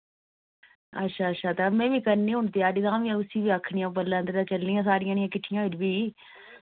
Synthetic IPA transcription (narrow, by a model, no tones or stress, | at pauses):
ə̰tːʃʰaːətːʃʰaːt̪amɛ̃ːʋiːkəɾniːɦʊɳt̪eːaːɖiːt̪ãːʋiãːʊsiːʋiːəkʰːɳijãːpəlːãːt̪eɾãːt͡ʃəlnɪjãːsaːɾɪjãːnɪjãːkɪʈʰːɪjãːʋɪd͡ʒbiː